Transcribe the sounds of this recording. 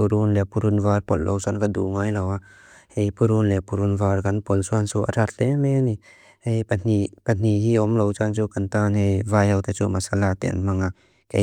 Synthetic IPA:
puɾunlɛpuɾunvaɾpɔllʔo̰wsankad̪ṵŋajlawa | hejpuɾunlɛpuɾunvaːɾkanpɔlsuansuʔa̰ɾat̪̚lemeni | hejan̥ipan̥iɦiʔɔmlowt͡ʃant͡sukant̪anejvajawt̪at͡sṵmasalat̪ɛ̰nmaŋa | kḛ

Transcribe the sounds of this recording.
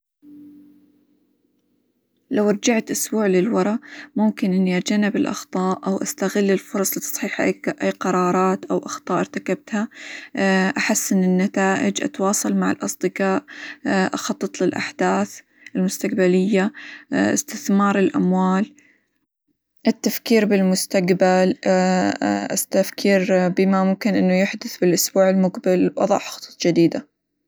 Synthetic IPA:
lawʔɑɾˤd͡ʒaʕt̪ʔʊsbuːʕlɪlwɑɾˤɑmʊmkɪnʔɪnːiʔad͡ʒanɪbɪlʔɑ̰xt̪ˤɑːʔʔawʔast̪aɣɪlːɪlfʊɾˤɑsˤlɪt̪sˤħiːħʔaʔajːqɑɾˤɑːɾˤɑːt̪ʔawʔɑxt̪ˤɑːʔɪɾt̪akab̚t̪ha | ʔaħasːʔɪnːɪnːat̪aːʔɪd͡ʒʔɑ̰t̪wɑːsˤɑlmaʕɪ̰lʔɑsˤd̪ɨqɑːʔʔɑxɑt̪ˤːɨt̪ˤlɪlʔa̰ħd̪̥aːθ | ʔɪlmʊst̪aqbalɪjːaʔɪ̰st̪ɪθmɑːɾˤɪlʔa̰mwaːl | ʔɪt̪ːafkiːɾbɪlmʊst̪aqbal | ʔa̰st̪afkʰiːɾbɪmamʊmkɪnʔɪnːujʊħd̪ʊθbɪlʔʊsbuːʕɪlmʊqbɪlwʔɑ̰ðˤɑ̰ħxɑ̥t̪ˤːt̪ˤd͡ʒɪd̪iːd̪a

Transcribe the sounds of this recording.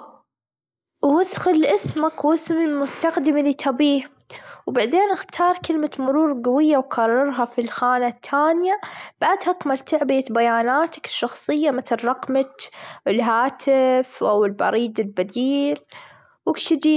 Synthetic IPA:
wwɪðxɪlʔɪsmakwɪsmɪlmʊst̪axd̪ɪmlit̪ʰɑbiːh | wbaʕd̪eːnʔɪxt̪ʰɑːɾˤkɪlmat̪mʊɾuːɾɡawɪjːawkʰɑrˤːɑɾˤɦafilxaːnat̪ʰːaːnjab̥aʕd̪hakmalt̪aʕbɪjabajaːnaːt̪ḁkɪ̥ʃːɑxsˤɨjːamɪt̪ɾɪrˤːɑqmakɪlɦaːt̪ʰɪfʔawɪlbɑ̰ɾˤiːd̪ɪlbad̪iːl | wɪkʃɪd͡ʒi

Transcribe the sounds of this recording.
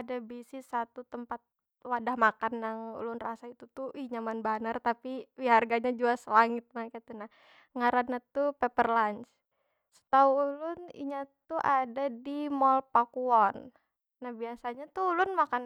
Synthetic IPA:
adabisisat̪ut̪əmpat̪̚ | wadahmakanjaŋṵlʊnrasait̪ut̪uiɲamanbanart̪apiwiɦarɡaɲad͡ʒuasəlaŋɪt̪̚makat̪unah | ŋaɾanːat̪upepərlant͡ʃ | sə̥t̪auːlʊnḭɲat̪uʔadadimɔlpakuɔnː | ahbiasaɲat̪uulʊnmakan

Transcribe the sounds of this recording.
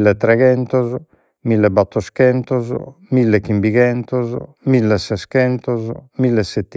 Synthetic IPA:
lːɛt̪ːɾɛɣɛnt̪ɔzɔ | milːɛbat̪ːɔskɛnt̪ɔzɔ̰ | milːɛkːimbiɣɛnt̪ɔzɔ̰ | milːɛsɛskɛnt̪ɔzɔ̰milːɛsːɛt̪ː

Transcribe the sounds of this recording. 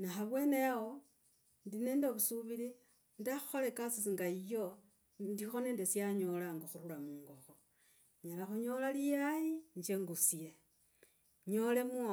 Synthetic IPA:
naxaβwe̞ne̞wo | ndine̞ːndeβusuβili | ndaxu̥xolekasisiŋɡaijo | ndixoneːndesiaɲo̞laŋɡoxuɾulamuːŋɡoxo | ɲalaxuɲo̞lalijajiɲd͡ʒeŋɡusie | ɲole̞mua

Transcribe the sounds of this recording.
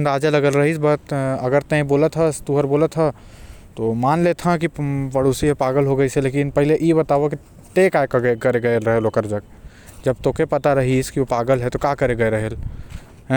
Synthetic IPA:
ənd̪aːd͡ʒalɐɡəlɾɐɦisbət̪ɐɡəɾt̪ẽboːlət̪ɦɛst̪uɦəɾboːlət̪ɦɛ | t̪omaːnlet̪ʰãk̬ipɐɽoːsiɦɛpaːɡəlɦoɡəiseleːkɪnpɐɦɪleʔibət̪aːʋoki | t̪eːkaːekɡɡɐɾeɡɐeɾəɦelokəɾd͡ʒək̚ | d͡ʒɐb̚t̪oːkepɐt̪aɾɐɦiskiopaːɡəlɦɛt̪okaːkəɾeɡəeɾɐɦel

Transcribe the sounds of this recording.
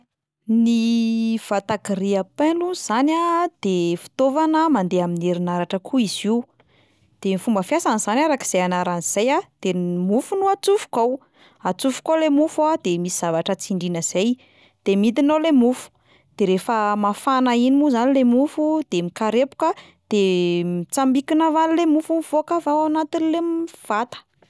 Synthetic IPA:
niv̥at̪akiriapeluz̥anad̪̥efi̥t̪ovanəmand̪eamineɾinaɾaʈ͡ʂəkʰuiz̥i | d̪̥emifumbəfjasaniz̥anaɾaki̥z̥eanaɾaniz̥ajad̪̥emufunuat͡sufu̥kaw | at͡sufu̥kolemufuad̪̥emisi̥z̥avaʈ͡ʂət͡siɳɖ͡ʐinəz̥ej | d̪̥emit̪inolemufu̥ | d̪̥eɾefəmafanainimuzanilemufud̪̥emikaɾepu̥kə | d̪̥emit͡sambikinavanilemufumiv̥oakavawanat̪inlemiv̥at̪ə̥

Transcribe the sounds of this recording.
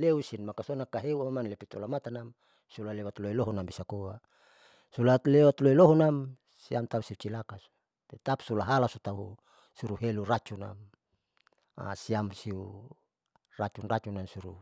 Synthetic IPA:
leusinmakasonakaɦeuamanlepit̪ulamat̪anam | sulalewat̪loiloɦɔnambisakowa | sulat̪lewat̪loiloɦɔnam | siamt̪ausiut͡ʃilakas | t̪et̪apsulaɦalasut̪aɦu | suɾuɦeluɾat͡ʃuna̰m | a̰siamsiu | rat͡ʃunrat͡ʃunamsuɾu

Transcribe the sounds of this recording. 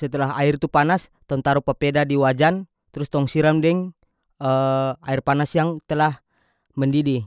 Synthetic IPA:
sɛt̪əlaɦa̰irt̪upanast̪ɔŋt̪aɾupapɛdadiwad͡ʒan | t̪ɾʊst̪ɔŋsiɾamdɛŋ | əairpanasjaŋt̪əlah | mɛndidi

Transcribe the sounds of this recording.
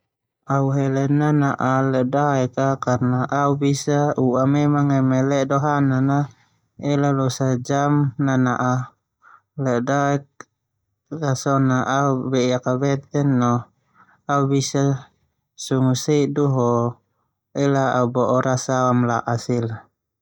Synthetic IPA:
auɦɛlɛnːanaʔalɛʔdaɛkakarnaʔaubisauamɛmaŋɛmɛlɛdɔɦanana | ɛlalɔsad͡ʒamnanaʔa | lɛdaɛk̚ | rasɔnaʔaubɛijakabɛt̪ɛnːɔ | aubisa | suŋuseduɦɔ | ɛlaaubɔʔɔɾasaamla̰ʔasila

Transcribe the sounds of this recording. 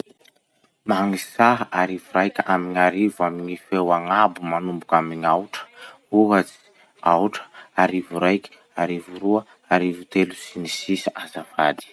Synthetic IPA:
maŋisaɦaʔaɾivuɾajkʲaamiɲaɾivuamiŋifewaŋabumanumbukamiɲawʈ͡ʂə̥ | uɦat͡si̥ | awʈ͡ʂə̥aɾivuɾajkʲi̥ | aɾivuɾuə | aɾivut̪elusinisisiʔazavad̪i̥

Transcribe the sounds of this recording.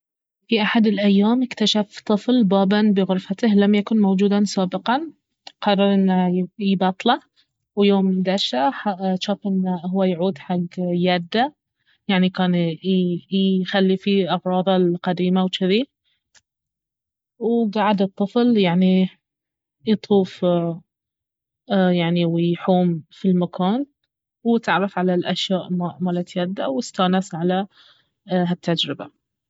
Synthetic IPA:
fiʔaħad̪ɪlʔajːaːmɪkt̪aʃaft̪ˤɨflbaːbʔanbɪɣʊɾfat̪ɪhlamjakʊnmowd͡ʒuːd̪asaːbɪqɑn | qɑrˤːɑɾˤʔɪnːaibɑt̪ˤla | wjoːmd̪aʃaħaʃaːfʔɪnːahʊwːajʕuːd̪ħaɡjaːd̪ːa | jaʕnikaːn | xalːifiʔɑɣɾˤɑːðˤɑlqad̪iːmawt͡ʃɪðiː | wɡaʕad̪ɨt̪ˤːɨfljaʕni | jt̪ˤʰuːf | jaʕniwɪjħuːmfilmakʰaːn | wt̪ɪʕɾɑfʕalalʔaʃjaːʔmamaːlat̪jaːd̪ːawɪst̪aːnasʕala | at̪ːad͡ʒɾɪba̰

